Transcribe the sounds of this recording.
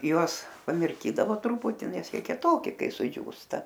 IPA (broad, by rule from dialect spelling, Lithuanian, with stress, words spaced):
ˈjuɔs pɐmʲɪrʲˈkʲiːdɐʋoː ˈtrʊpʊtʲɪ ˈnʲɛs ˈjiɛ kʲiɛˈtoːkʲɪ ˈkɐɪ sʊˈd͡ʒʲuːstɐ